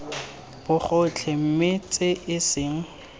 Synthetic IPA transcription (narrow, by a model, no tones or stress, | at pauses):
b̥ʊχʊt͡ɬʰem̩mɪt͡sʼɪʔɪsɪŋ̩